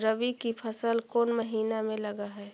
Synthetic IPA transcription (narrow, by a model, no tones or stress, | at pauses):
ɾəbikipʰəsəlkoːnməɦiːnamẽləɡaɦɛː